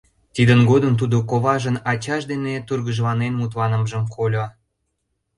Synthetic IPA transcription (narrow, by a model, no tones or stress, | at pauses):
t̪id̪ənɡod̪əmt̪ud̪okoβɑʒənɑt͡ɕɑʃd̪enet̪urɣəʒlɑnenmut̪lɑnə̆mʒə̆mkolʲo